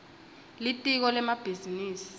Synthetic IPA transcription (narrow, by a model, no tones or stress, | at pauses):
litʼik̬ɔlɛmab̥ʱiziniːsi̥